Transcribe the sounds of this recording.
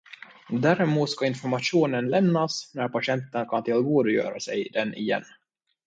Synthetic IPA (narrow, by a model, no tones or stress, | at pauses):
d̪æɾɛmuːt̪skaɪnfɔɾmaʂuːnənlɛmnːasnæɾpaɕɛnt̪ənkʰant̪ʰɪlvoːd̪əjœ̰ːɾasɛjd̪ɛnʔɪ̰jɛ̰nː